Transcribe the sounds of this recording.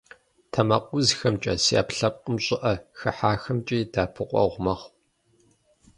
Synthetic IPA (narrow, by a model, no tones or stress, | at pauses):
tʰɐmɐqʷʊzxɐmt͡ʃʼɐ̰sia̰ːpɬɐp̚qʼəmɕʼɪʔɐxɐħaːxɐmt͡ʃʼiːdaːpʰɨqʷʼɔ̰ʁʷmɐχʷ